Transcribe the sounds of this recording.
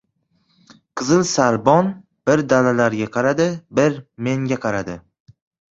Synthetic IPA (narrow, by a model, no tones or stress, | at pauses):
qʰɨzɪlˠsaɾbɒn | b̥ɪɾd̪alalaɾɡʲaqʰɑɾad̪ɪbɪɾme̞ŋɡʲaqʰɑɾad̪ɪ